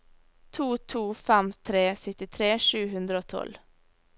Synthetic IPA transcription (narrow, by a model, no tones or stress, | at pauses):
t̪ʰuːt̪ʰuːfɛmt̪ʰɾeːsʏt̪ɪt̪ʰɾeːʃʉːɦʉnd̪ɾəoːt̪ʰɔ̰l